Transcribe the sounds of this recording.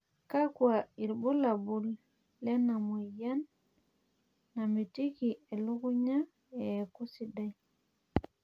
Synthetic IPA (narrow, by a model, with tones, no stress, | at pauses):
ka˦kwa˨i˨ɾbu˦la˨bu˦lː | ɛ˦na˨mu˨ja˦n | a˨mi˨ti˦ki˨ɛ˨lu˦ɡu˦ɲa˦ | ɛ˨ku˦si˨da˦j